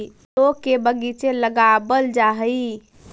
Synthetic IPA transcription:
lokːebəɡit͡ʃeləɡabəld͡ʒaɦəi

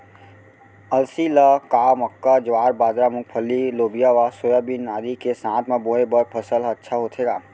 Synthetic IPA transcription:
əlsiləkaːməkːad͡ʒwaːɾbaːd̪ɾamʊk̚pʰəlːiloːbijaʋasojabinːaːd̪ikesãːt̪ʰmẽboːebəɾpʰəsələtːʃʰaɦoːt̪ʰɦeːɡaː

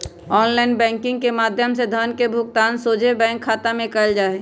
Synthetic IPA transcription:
ɔːnlaːɪnbɛ̃ːŋkɪ̃ŋɡkemaːd̪ʱjəmsed̪ʱənkebʱʊkt̪aːnsoːd͡ʒebɛ̃ːŋkʰːaːt̪amẽkəld͡ʒaːe

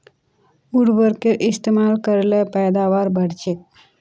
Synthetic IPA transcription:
uɽbəɾkeʔist̪emalkəɾlepɛjd̪aʋaɾbəɽt͡ʃe

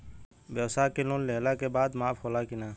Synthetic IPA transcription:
bjɛwsaːkeloːnleːlakebaːd̪maːpʰɦoːlakɪnaː

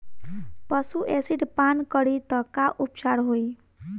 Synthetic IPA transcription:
pəsuʔesiɖpankəɽit̪əkaʔupt͡ʃaɾɦoj

